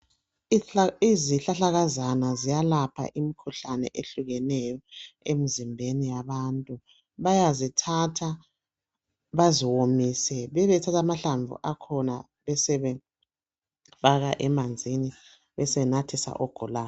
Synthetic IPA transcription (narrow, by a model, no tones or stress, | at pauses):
iziɬaɬaɣazanazijalapʰa̰ʔimikʰuɬanɛ̰ʔeɬuɣɛnɛjɔem̩zimbʱenijaβantʼu | βajazitʰatʰa | βaziwomisɛβɛβɛtʰatʰamaɬaɱvṵʔakʰɔna | βɛsɛβɛ | faɣaʔɛmand͡zʱini | βɛsɛnatʰisa̰ʔɔɡ̥ʱɔlaː